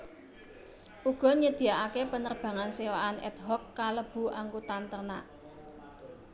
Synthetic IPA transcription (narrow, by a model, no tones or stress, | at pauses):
ʔuɡ̥ɔ̤ɲəd̪̥i̤aʔakepənərb̥ä̤ŋansewaanɛ̰t̪ɦɔkːaləb̥ṳʔaŋɡut̪ant̪ərna̰